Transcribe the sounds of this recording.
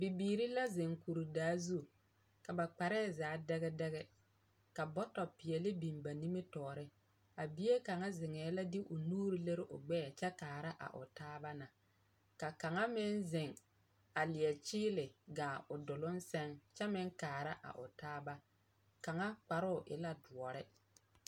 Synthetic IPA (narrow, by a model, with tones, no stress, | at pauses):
bi˨biː˨ɾi˦la˦zɪ˨ŋku˨ɾi˨daː˦zu˦ | ka˨ba˨k͡pa˨ɾɛː˦˨zaː˨˦dɛ˦ɣɛ˦dɛ˦ɣɛ˦ | ka˨bɔ˦tɔ˨pɪ˨ɛ˨lɪ˦bi˨mba˨ni˦me˦tɔː˨ɾɪ˦ | a˨bɪ˦e˦ka˨ŋa˦zɪ˨ŋɛː˨˦la˦dɪ˦ʔʊ˨nuː˦ɾi˦le˦ɾɪ˦ʔʊ̰˨ɡ͡bɛː˦˨t͡ʃɛ˦kaː˨ɾa˦ʔa̰˨ʔʊ̰˨taː˦ba˦na˨ | ka˨ka˨ŋa˦mɪ˦nzɪ˨ŋ | a˨lɪ˨ɛ˨t͡ʃɪː˦lɪ˨ɡaː˨ʔʊ˨dʊ˨lʊ˦nsɛ˦ŋt͡ʃɛ˦mɪ˦ŋkaː˨ɾa˦ʔa̰˨ʔʊ˨taː˦ba˦ | ka˨ŋa˦k͡pa˨ɾʊ˦ʊ˨ʔɪ̰˦la˦dʊ˨ɔ˨ɾɪ˦